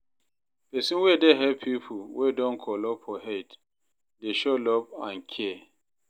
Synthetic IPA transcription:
pɛsinwedeɦɛpʰipʰuwedɔ̃nkʰɔlɔpɔɦet | deʃolɔpãnkʰɛɛ

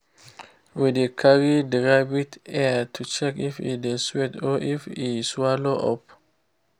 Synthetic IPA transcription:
widekʰaɹidɹaɪbitɛtʰut͡ʃɛkifḭdeswɛtɔʔifiswaloʔɔ̰p̚

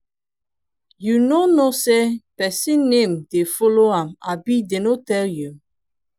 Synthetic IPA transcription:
junonosepɛsĩnːẽmdefɔloãmabidenotɛlju

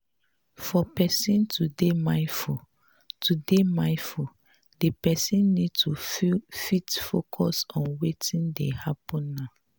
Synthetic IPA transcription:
fɔpɛsĩntʰudemãɪfu | tʰudemãɪfu | depɛsĩnːid̚tʰufitfokʰɔsɔ̃nwetĩndehapɔ̃nːa

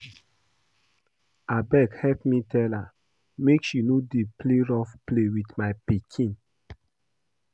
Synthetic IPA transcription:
abɛkhɛpmitɛla | mekʃinodepleɹɔfplewitmaɪpikʰĩn

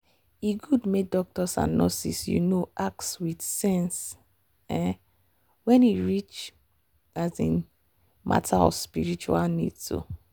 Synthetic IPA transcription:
iɡudmedɔk̚tɔsã̰nnɔsḭsjṵnoak̚swidsɛ̃ns | ɛ | wɛ̃niɹit͡ʃ | azĩn | ma̰tʰaɔ̰spiɹit͡ʃualnḭdso̰

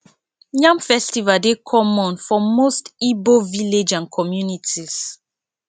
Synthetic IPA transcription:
jãmfɛstivaldekʰɔmɔ̃nfɔmostiboviled͡ʒãnkʰɔmjunitʰiz̥

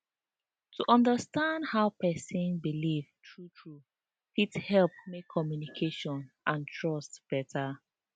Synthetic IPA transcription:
tʰuʔɔ̃ndəstãndhaʊpɛsĩnbilivtʰɹutʰɹu | fithɛlp̚mekʰːɔmjunikʰeʃɔ̃nʔãntʰɹɔstb̥ɛtʰa

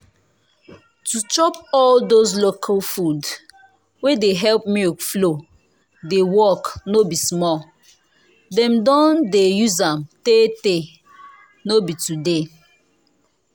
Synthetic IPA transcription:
tut͡ʃɔpɔldozlokʰalfud | wedeɦɛlp̚mikflo | dewɔknobismɔl | dɛ̃mdɔ̃ndejuzamtete | nobitude

